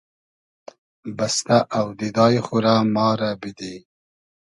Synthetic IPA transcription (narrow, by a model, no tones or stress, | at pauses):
bast̪aʔawd̪id̪ɑːjχuɾamɑːɾabid̪i